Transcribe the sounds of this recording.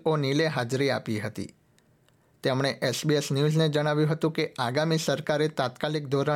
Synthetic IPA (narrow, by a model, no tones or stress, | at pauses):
onileɦad͡ʒɾia̰piɦət̪ḭ | t̪emɽ̃eʔesbiesnjuzned͡ʒəɽ̃aʋjũɦət̪ũkeaɡamisəɾkaɾet̪at̪kalik̚d̪oɾa